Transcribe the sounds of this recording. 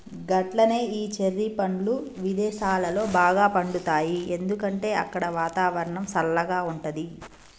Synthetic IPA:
ɡɐʈlɐne̞ːiːt͡ʃeɾːipɐɳluʋid̪ɛːʃaːlɐlo̞ːbaːɡaːpɐɳɖut̪aːjie̞nd̪ukɐɳʈe̞ːɐkːɐɽɐʋaːt̪aːʋɐɾɐɳɐmsɐlːɐɡaːuɳʈɐd̪i

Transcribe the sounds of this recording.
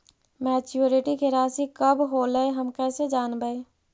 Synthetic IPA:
mɛːt͡ʃuɾiʈikʰeɾaːsikəbɦoːləeɦəmkɛːsed͡ʒaːnbəe

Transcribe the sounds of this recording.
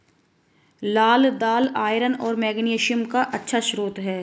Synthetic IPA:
laːld̪aːlaːjɾənɔːɾmɛːɡneːʃəmkaʔɐtːʃʰaʃɾoːt̪ɦɛː

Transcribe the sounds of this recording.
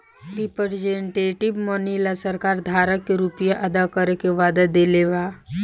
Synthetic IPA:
ɾɪpəɾd͡ʒẽɳʈeːʈɪbmɔːnilasəɾkaːɾd̪ʱaːɾəkːeɾupijaʔɐd̪akəɾekeʋaːd̪ad̪eleʋa

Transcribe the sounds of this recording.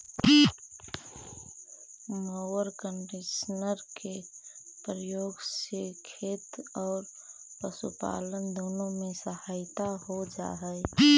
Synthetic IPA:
moəɾkəɳɖɪsnəɾkepɾəjoːɡsekʰeːt̪ɔːɾ | pəsṵpa̰ːlənd̪oːnõmẽsəhaːɪt̪ahod͡ʒa̰ːɦɛɛ

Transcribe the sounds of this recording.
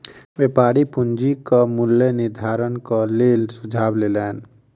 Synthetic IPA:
beːpaːɾipʊnd͡ʒikamʊljənɪɾd̪ʱaːɾənkaleːlsʊd͡ʒʱaːbleːlɛːn

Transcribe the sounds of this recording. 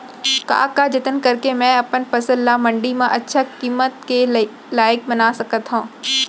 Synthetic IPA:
ka̰ːkad͡ʒɪt̪ənkɐɾkemɛ̃ɐpənpɐsəllamɐ̃ɳɖimẽʔɐtːʃʰakiːmət̪ke | laːjk̚bɐnaːsɐkət̪ɦũː

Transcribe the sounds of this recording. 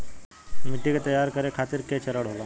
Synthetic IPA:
mɪʈːiket̪ɐjaɾkəɾekʰaːt̪iɾkeːt͡ʃɐɾəɽ̤ʱɦolo

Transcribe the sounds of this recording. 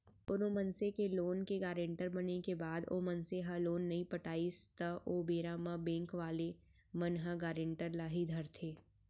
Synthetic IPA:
pʊnomɐnsekeloːnkeɡaːɾẽːɳʈəɾbɐnekebaːd̪o̰ːmɐnseɦaloːnːɐɦĩpɐʈaːist̪əʔoːbeːɾaːmabẽːŋkʋaːle | mɐnɦaɡaːɾẽɳʈəɾlaːɦid̪ʱɐɾt̪ʰeː

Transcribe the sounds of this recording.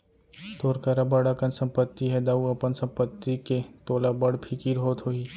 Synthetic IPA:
t̪oːɾkaɾabɐɽakənsɐ̃mpət̪ːiɦɛd̪auɐpənsɐ̃mpət̪ːiket̪oːlabəɽpʰikiɾɦoːt̪ɦoi

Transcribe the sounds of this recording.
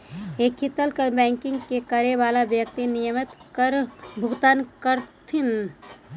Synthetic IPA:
eːkʰːɪt̪əlkəbɛ̃ːŋkɪ̃ŋɡkekəɾeʋaːlaʋjək̚t̪inɪjəmɪt̪kəɾbʱʊɡt̪aːnkəɾt̪ʰɪn

